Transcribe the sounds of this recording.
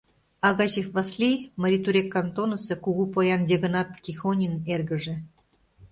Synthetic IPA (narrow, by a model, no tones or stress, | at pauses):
ɑɣɑʑefvɑslʲijməɾʲit̪uɾʲekːɑnt̪onosɤ̆kuɣupojɑndʲeɣɤ̆nɑt̪kʲixonʲinerɣə̆ʒĕ